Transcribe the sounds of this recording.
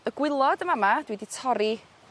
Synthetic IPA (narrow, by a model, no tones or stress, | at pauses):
əɡ̥wɪlˠɔdəmamad̥widitʰɔɾi